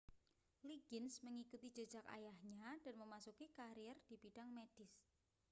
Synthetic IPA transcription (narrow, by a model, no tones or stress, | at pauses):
liɡɪnsməŋikut̪i̥d͡ʒ̥ə̥d͡ʒ̥aka̰jahɲad̥anməmasukikaɾijɛrd̥ibiɖ̥aŋmed̥ɪs